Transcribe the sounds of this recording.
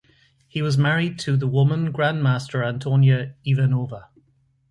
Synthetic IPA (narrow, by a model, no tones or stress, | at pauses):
hiwɒzmaɹɪd̚tʰəðəwʊmə̃nɡɹãnmaˑstəɹãntʰonjəivənoːvə